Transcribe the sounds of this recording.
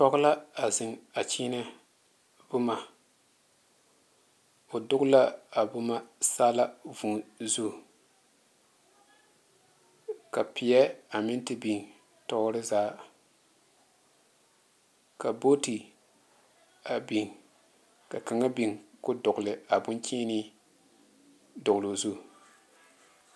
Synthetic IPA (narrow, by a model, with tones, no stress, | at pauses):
tɔ˦ɣʊ˦la˦a˨zɪ˨ŋa˨t͡ʃiː˦na˦ | bʊ˦ma˨ | o˨dʊ˦ɡʊ˦la˦a˨bʊ˦ma˦saː˦la˦vu˨zu˦ | ka˨pɪ˨jɛ˦a˨mɪ˦ntɪ˨bi˨ŋ | tɔ˦ɾɪ˦zaː˦ | ka˨bo˦ti˨ | a˨bi˨ŋ | ka˨ka˨ŋa˦bi˨ŋkʊ˦dʊ˨ɡʊ˨lɪ˨a˨bʊ˦nt͡ʃiː˦nɪ˦ | dʊ˨ɣlo˨zu˦˨